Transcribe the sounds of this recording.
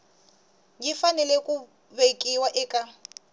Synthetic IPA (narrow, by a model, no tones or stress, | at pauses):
ɡifanɛlekʼu | bekʼiwaʔɪkʼa